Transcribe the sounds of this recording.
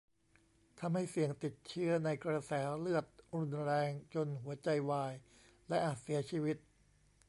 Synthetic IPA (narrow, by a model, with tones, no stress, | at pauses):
t̪ʰa˧mha˥˩jsi˨˩əŋt̪i˨˩t̪̚t͡ɕʰɯ˦˥ɐna˧jkɾa˧sɛː˩˦lɯ˥˩ət̪̚ɾu˧nɾɛː˧ŋt͡ɕo˧nɦu˩˦ɐt͡ɕa˧jwaː˧j | lɛ˦˥ʔaː˨˩t̪̚si˩˦ɐt͡ɕʰiː˧wi˦˥t̪̚